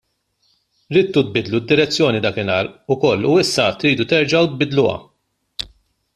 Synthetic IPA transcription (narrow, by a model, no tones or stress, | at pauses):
ɾɪːt̪ːut̪̚bɪd̪lud̪ːɪɾɛt͡sːjɔːnid̪ɐːkɪnɐːɾʊkɔlːuɪsːɐt̪ɾiːd̪ut̪ɛɾd͡ʒɐwt̪̚bɪd̪lʊwɐ̰